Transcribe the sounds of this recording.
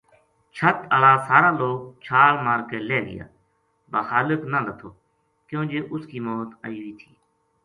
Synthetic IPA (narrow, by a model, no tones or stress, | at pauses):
t͡ʃʰət̪əlaːsaːɾaːloːk̚t͡ʃʰaːlmaːɾkeːleːɡɪ̰ja̰ː | baːxaːlɪknalət̪ʰoː | kjõːd͡ʒeːʔʊskiːmɔːt̪əiːiːt̪ʰiː